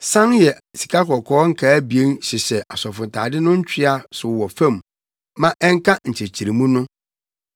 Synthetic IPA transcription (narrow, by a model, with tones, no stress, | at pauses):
sã˦njɛ˨ | si̥˨kʰa˦kʰɔ˨kʰɔː˦ŋ̩˦kʰaː˨˦bi˨e˦nɕɪ˨sɛ˨ʔa˨sɔ˨fʊ˨ntʰa̰ː˨dɪ˦nʊ̃˦ɲ̩˦t͡ɕᶣɪ˦a˨sʊ˨wɔ˨fæ̃˦˨m | mã˦ʔɛ˦ŋ˦kʰa˦ɲ̩˨t͡ɕʰe˨t͡ɕʰi˨ɾi˨mũ˦nʊ̃˦